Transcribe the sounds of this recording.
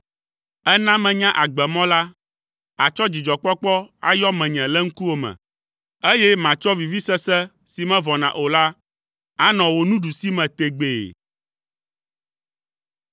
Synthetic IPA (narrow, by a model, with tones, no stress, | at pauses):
ɛ˦nã˦mɛ̃˨ɲã˦ʔa˨ɡ͡bɛ˨mɔ̃˦la˦ | a˨t͡ʃɔ˦d͡ʑi˨d͡ʒɔ˨k͡pɔ˦k͡pɔ˦a̰˦˨jɔ˦mɛ̃˨ɲɛ̃˨lɛ˦ŋ̩˦ku˦wo˦mɛ̰̃˨ | e˦jɛ˦mã˨t͡ʃɔ˦vi˨vi˦sɛ˦sɛ˦ | si˨mɛ̃˦vɔ˨nã̰˨ʔo˨la˦ | a˦nɔ̃˨wo˨nũ˦ɖu˨si˦mɛ̃˨t̪e˨ɡ͡be˨